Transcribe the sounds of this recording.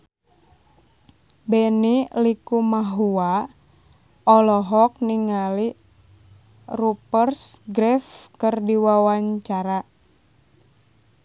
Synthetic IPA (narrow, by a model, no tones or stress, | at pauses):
bɛnilikumaɦua | ɔlɔɦɔk̚niŋali | rupərsɡɾɛfkərdiwawaɲt͡ʃaɾa